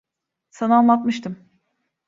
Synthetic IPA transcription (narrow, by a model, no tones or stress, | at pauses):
sananlˠat̪mɯʃt̪ʰɯm